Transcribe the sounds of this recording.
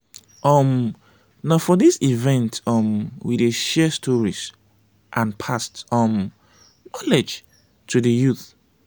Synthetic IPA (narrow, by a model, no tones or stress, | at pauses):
ʔɔm | nafɔdisivɛ̃ntɔmwideʃɛstʰɔɹis | ʔãnpʰastɔm | nɔlɛd͡ʒ | tʰudəjuθ